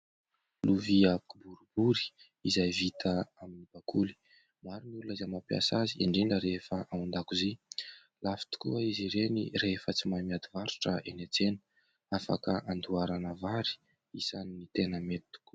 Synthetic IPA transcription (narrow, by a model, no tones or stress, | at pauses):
luviakubuɾubuɾi̥ | izajvit̪ʰəaminib̥akuli̥ | maɾunulunizamapia̰sazieɳɖ͡ʐiɳɖ͡ʐəɾefəʔawund̪akuzi | lafi̥t̪u̥kuəiziɾenḭrefət͡simamiad̪ivaɾu̥ʈ͡ʂə̰ʔenet͡senə̥ | afa̰kəʔand̪uaɾanavaɾi̥ | isaninit̪enəmet̪u̥ku̥